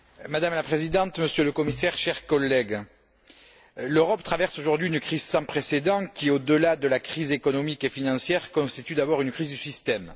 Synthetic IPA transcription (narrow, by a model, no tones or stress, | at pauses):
mad̪amlapχezid̪ɑ̃t̪məsjøləkɔmisɛʁʃɛʁkɔlːɛɡ | løʁɔpt̪χavɛʁsoʒuʁd̪ɥiynəkχizsɑ̃pχesed̪ɑ̃kʲiod̪əlad̪əlakχizekɔnɔmikefinɑ̃sjɛʁkɔ̃st̪it̪yd̪abɔʁynəkχizd̪ysist̪ɛm